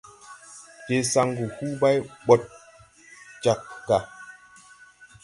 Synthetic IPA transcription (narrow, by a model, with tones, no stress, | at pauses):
ke˨sa˦ŋɡu˨hu˦ba˦jɓɔ˨t̚ | t͡ʃa˨k̚ːa˨